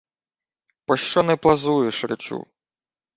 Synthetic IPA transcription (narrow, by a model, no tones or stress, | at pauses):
pɔʃt͡ʃɔnɛplˠɐzujeʃɾɪt͡ʃṵ